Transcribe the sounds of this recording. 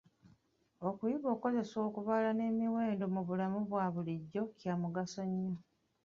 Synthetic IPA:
okujiβo̞ːko̞ze̞so̞ːkuβalane̞ːmiwe̞ːndo̞muβulamuβwaːβuliɟːo̞cjaːmuɡasoɲːo

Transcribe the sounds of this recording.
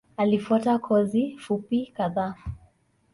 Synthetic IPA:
alifuatakʰɔzifupikaðaː

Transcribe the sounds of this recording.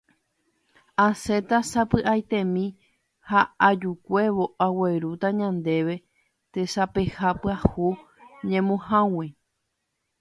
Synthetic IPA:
ase̞t̪asapɨʔajt̪ẽ̞mĩ | haad͡ʒukʷeʋo̞ʔawe̞ɾut̪aɲãnd̪e̞ʋe̞ | t̪esape̞hapɨahu | ɲẽmõhãwe

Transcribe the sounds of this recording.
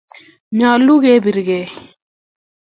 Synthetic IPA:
mjaːluɡeːbiɾɡeː

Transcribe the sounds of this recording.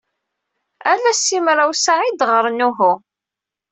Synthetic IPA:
ælæsːimɾˤawsaʕid̪ʁəɾˤnuɦu

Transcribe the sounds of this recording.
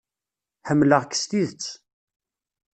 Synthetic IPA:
ħəmːləʁkːə̥st̪iðət͡sː

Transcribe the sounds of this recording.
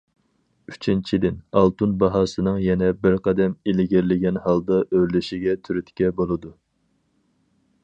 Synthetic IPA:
y̥t͡ʃʰint͡ʃʰid̪ɪnɑlˠt̪unbɑɦɑːsɨnɨŋjɛnɛbɪɾqʰɑd̪ɛmilɪɡʲɪɾlɪɡʲɛnhɑlˠd̪ɑʔøɾlyʃiɡʲɛt̪ʰyɾyt̪kʲɛbolˠɨd̪u

